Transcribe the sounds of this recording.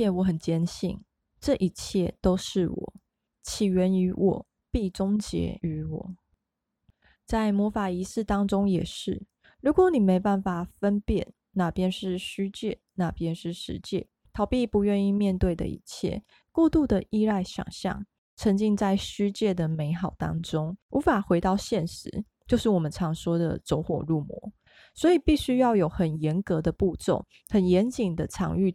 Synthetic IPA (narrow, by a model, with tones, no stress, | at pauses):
ɛ˥˩wɔ˧˥xə˨˩nt͡ɕjɛ˥nɕḭ˥˩n | ʈ͡ʂɤ˥˨ʔi˥˩t͡ɕʰjɛ˥˩t̪o˥ʊʂɻ̩˥˩wɔ̰˨˩˦ | t͡ɕʰi˨˩ɥɛ˧˥ny˧˥wʔɔ̰˨˩˦ | pi˥˩ʈ͡ʂʊ˥ŋt͡ɕjɛ̰˧˥y˧˥wɔ̰˨˩˦ | t͡sa˥˩ɪmwɔ˧˥fa˨˩i˧˥sɹ̩˥˩t̪ɑ˥ŋʈ͡ʂʊ˥ŋjɛ˨˩ʂɻ̩˥˩ | ɻu˧˥kwɔ˨˦ni˨˩me˧˥ɪpa˥˩nfa˨˩fə˦npjɛ˥˨˩n | na˥˨pjɛ˥nʂɻ̩˥˩ɕy˥t͡ɕjɛ˥˩ | na˥˨pʰjɛ˥nʂɻ̩˥˩ʂɻ̩˧˥t͡ɕjɛ̰˥˩ | t̪ʰɑ˨˩ʊpi˥˩pu˧˥ɥɛ˥˧ni˥˧mjɛ˥˧nt̪we˥˩ɪd̪ə̰˨ḭ˥˧t͡ɕʰjɛ̰˥˩˨ | kwɔ˥˧t̪u˥˩d̪ə˨ʔi˥˧la˥˩ɪɕjɑ̰˨˩ŋɕjɑ̰˥˩ŋ | t͡sʰə˧˥ŋt͡ɕi˥ŋt͡sa˥˩ɪɕy˥t͡ɕjɛ˥˩d̪ə˩me˧˥ɪxɑ˨˩ʊt̪ɑ̰˥ŋʈ͡ʂʊ˥ŋu˧˥fa˨˩xwe˧˥ɪt̪ɑ˥˧ʊɕjɛ˥˩nʂɻ̩˧˦ | t͡ɕjo˥˧ʊʂɻ̩˥˩wɔ˨˩mə˦nʈ͡ʂʰɑ˧˥ŋʂwɔ˥d̪ə̰˨t͡so˧˥ʊxwɔ˨˩ɻu˥˩mwɔ̰˧˥ | swɔ˧˥i˨˩pi˥˩ɕy˥jɑ˥˩ʊjo˨˩ʊxə˨˩njɛ˧˥nkɤ˧˥d̪ə˨pu˥˧t͡so̰˥˩ŋ | xə˨˩njɛ˧˦˥nt͡ɕi˨˩ŋd̪ə˦t͡sʰɑ̰˧˥ŋy˥˧